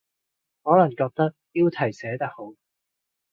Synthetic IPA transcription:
hɔː˨˥lɐ˨˩ŋkɔː˧k̚t̪ɐ˥k̚ji˥wt̪ʰɐ˨˩jsɛː˨˥t̪ɐ˥k̚ho˨˥w

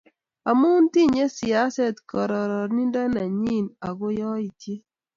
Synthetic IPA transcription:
a˨mu˦n˦ti˦˨ɲe˦si˨a˦sɛ˦˨tkɔ˨ɾɔ˨ɾɔ˨ɾni˦nda˦na˨ɲi˦˨na˨ɡʊ˦jɔ˦i˨tje˦

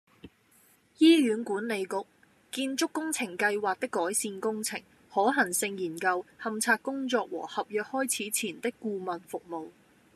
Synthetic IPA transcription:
jiː˥jyː˨˥nkuː˨˥nle˨˧jkʊ˨k̚ | kiː˧nt͡ʃʊ˥kːʊ˥ŋt͡sʰɪ˨˩ŋkɐ˧jwaː˨k̚t̪ɪ˥kːɔː˨˥jsiː˧nkʊ˥ŋt͡sʰɪ˨˩ŋ | hɔː˨˥ɦɐ˨˩ŋsɪ˧ŋjiː˨˩nkɐ˧whɐ˨mt͡sʰaː˧t̚kːʊ˥ŋt͡ʃɔː˧k̚wɔ̰ː˨˩hɐ˨p̚jœː˨k̚hɔː˥jt͡sʰiː˨˥t͡sʰiː˨˩nt̪ɪ˥kːuː˧mɐ˨nfʊ˨k̚mo˨w

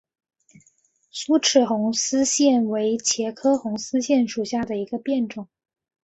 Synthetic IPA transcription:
su˥ʈ͡ʂʰɻ̩˨˩xʊ˧˥ŋsɹ̩˥ɕjɛ˥˩nwe˧˥ɪt͡ɕʰjɛ˧˥kʰɤ˥xʊ˧˥ŋsɹ̩˥ɕjɛ˥˩nʂu˨˩ɕja˥˩d̪ə˩i˧˥ɡə˧pjɛ˥˩nʈ͡ʂʊ˨˩˦ŋ

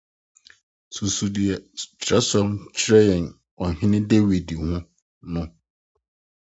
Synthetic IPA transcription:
su˨su˨di˨ɛ˨tʰɾɛ˦sɔ˦mt͡ɕʰɾɛ˦jɛ̃˨n | ɔ˨ɦɪ̃˦nɪ̃˦de˦wi˨di˨hũ˦ | nʊ̃˦

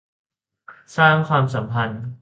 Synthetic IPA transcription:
saː˥˩ŋkʰwaː˧msa˩˦mpʰa˧n

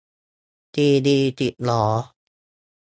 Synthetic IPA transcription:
t̪iː˧diː˧t̪i˨˩t̪̚lɔː˩˦

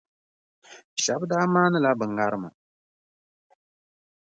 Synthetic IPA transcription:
ʃa˨˦bdaː˦maː˦nɨ˦la˦bɨ˨ŋ˨ɡa˦ɾɨ˦ma̰˨

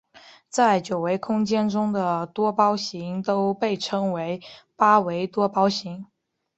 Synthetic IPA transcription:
t͡sa˥˩ɪt͡ɕjo˨˩ʊwe˧˥ɪkʰʊ˥ŋt͡ɕjɛ˥nʈ͡ʂʊ˥ŋd̪ə˨t̪wɔ˥pɑ˥ʊɕi˧˥ŋt̪o˥ʊpe˥˩ɪʈ͡ʂʰɤ˥ŋwe˧˥ɪpa˥we˧˥ɪt̪wɔ˥pɑ˥ʊɕi˧˥ŋ

